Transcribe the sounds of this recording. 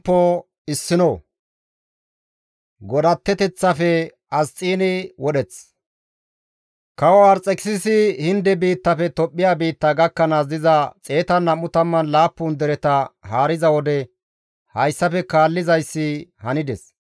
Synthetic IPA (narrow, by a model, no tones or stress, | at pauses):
pːo | ɪsːɪno | ɡɔd̪ɐt̪ːɛt̪ɛt͡sːɐfɛ | ɐst͡sʼiːnɪwɔɗɛt͡s | kɐwɐwaɾt͡sʼɛkɪ̥sɪsɪhɪnd̪ɛbiːt̪ːɐfɛt̪ɔpʼːɪjaːbiːt̪ːɐɡɐkːɐnazɪzɐt͡sʼe̞ːt̪ɐnːɐmːʊt̪ɐmːɐnlaːpːʊːnd̪ɛɾɛt̪ɐhaːɾɪzɐwɔd̪ɛ | hɐjsːɐfɛkaːlːɪzɐjsːɪhɐnɪd̪ɛs